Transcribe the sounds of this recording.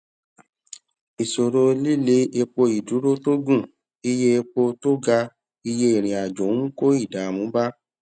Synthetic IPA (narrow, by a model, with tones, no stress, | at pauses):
i˨so˨ɾo˧li˦le˨˦e˧k͡po˧i˨du˨˦ɾo˦to˦ɡũ˦˨ | i˧je˦e˧k͡po˧to˦ɡa˧ | i˧je˦e˦˨ɾ̃ĩ˨a˨d͡ʒõ˨˦ko˦i˦˨da˨˦˨mũ˨˦ba˦